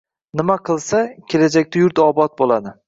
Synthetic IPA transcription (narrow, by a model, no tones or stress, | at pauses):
nɪmaqʰɨlˠsakʲʰe̞lad͡ʒak̚ʲt̪ajʊɾt̪ɒbɒt̪̚bolˠad̪ɪ